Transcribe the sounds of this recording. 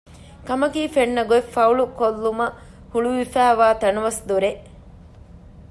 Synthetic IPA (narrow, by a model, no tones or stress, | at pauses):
kɐmɐkiːfeɳːɐɡoefɐuɭukolːumɐ | huɭuʋifæːʋaːt̪ɐnɐʋɐsd̪uɾeʔ